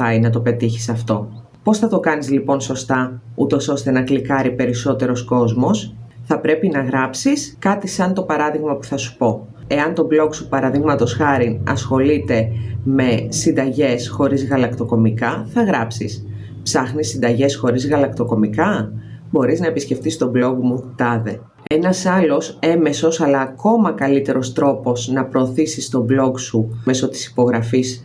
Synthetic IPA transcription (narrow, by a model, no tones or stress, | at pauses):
ɐinɐt̪o̞pe̞t̪içi̥sɐft̪o̞ | po̞sθɐt̪o̞kɐnizlipo̞nso̞st̪ɐut̪o̞so̞st̪e̞nɐklikɐɾipe̞ɾiso̞t̪e̞ɾo̞sko̞zmo̞sθɐpɾe̞pinɐɣɾɐpsiskɐt̪isɐnt̪o̞pɐɾɐðiɣmɐpu̥θɐsu̥po̞ | e̞ɐnt̪o̞blo̞ksupɐɾɐðiɣmɐt̪o̞sxɐɾinɐ̰sxo̞lit̪e̞me̞sind̪ɐʝe̞sxo̞ɾizɣɐlɐkt̪o̞ko̞mikɐθɐɣɾɐpsḭs | psɐxnisind̪ɐʝe̞sxo̞ɾizɣɐlɐkt̪o̞ko̞mikɐ | bo̞ɾiznɐepisce̞ft̪ist̪o̞blo̞ɣmut̪ɐðe̞ | e̞nɐsɐlo̞se̞me̞so̞sɐlɐːko̞mɐkɐlit̪e̞ɾo̞st̪ɾo̞po̞znɐpɾo̞ːθisist̪o̞blo̞ksumeso̞t̪i̥si̥po̞ɣɾɐfis